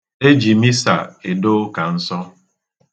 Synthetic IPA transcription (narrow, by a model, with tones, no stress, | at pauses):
e˦d͡ʒi˨mi˦sa̰˨ɪ˨dʊ˦ka˨n̩˦sɔ˦